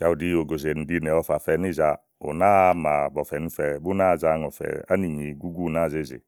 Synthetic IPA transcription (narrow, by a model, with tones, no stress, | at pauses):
ka˨u˨di˦o˨ɡo˨ze˨n̩i˨di˦nɛ˨ɔ˨fa˨fɛ˨˦ni˦˨za˧ | o̰˨na˦ma˨bɔ˨fɛ˨nu˦fɛ˨bu˦na˦˨za˦ŋɔ˨fɛ̰˨a̰˦ni˨ɲi˨ɡu˦ɡu˦˨na˦˨ze˦˨zḛ˨